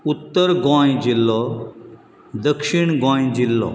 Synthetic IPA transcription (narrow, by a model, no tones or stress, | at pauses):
ut̪ːəɾɡɔ̃jd͡ʑilːɔ | d̪əkʂiɳɡɔ̃jd͡ʑilːɔ̰